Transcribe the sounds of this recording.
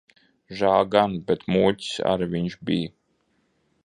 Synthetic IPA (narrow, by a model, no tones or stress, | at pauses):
ʒaːɡanbɛt̪muːcʲsa̰ɾviɲʃbij